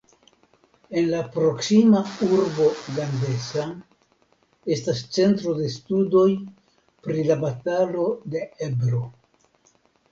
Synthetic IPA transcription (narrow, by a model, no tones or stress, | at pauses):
e̞nlapɾo̞ksimauɾbo̞ɡande̞sa | e̞stast͡se̞ntɾo̞de̞studo̞j | pɾilabatalo̞de̞ebɾo̞